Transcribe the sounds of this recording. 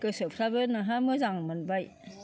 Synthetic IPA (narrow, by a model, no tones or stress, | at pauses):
kɯsɯpʰɾabenaɦamɯzaŋmɯnbaj